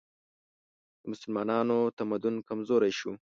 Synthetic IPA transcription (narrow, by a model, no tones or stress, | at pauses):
d̪əmʊsʊlmɑːnɑːnot̪amad̪ʊnkamzoːɾajʃu